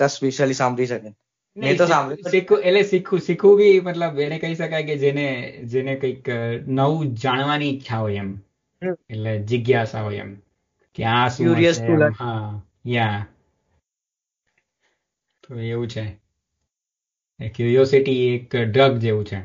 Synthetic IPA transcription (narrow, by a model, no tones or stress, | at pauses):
t̪əspeʃəlisãmbɾiʃəke | nẽt̪osãmbisikʰũelesikʰũsikʰʋũbʱimət̪ləbenekəɦiʃəkajked͡ʒened͡ʒenekəiknəʋũd͡ʒaɽ̃ʋanit͡ʃʰaɦojem | etled͡ʒɪɡjasa̰ɦojḛm | keãsmuɾiəsulɦã | ja | t̪oeʋũt͡ʃʰe | kjuɾijosiʈiekɖɾəɡd͡ʒeʋũt͡ʃʰe